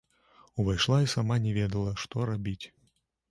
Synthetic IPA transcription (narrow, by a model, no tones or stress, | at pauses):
uvajʂlˠaisamanʲɛvʲɛd̪ɐlˠɐʂt̪ɔɾabʲit͡sʲ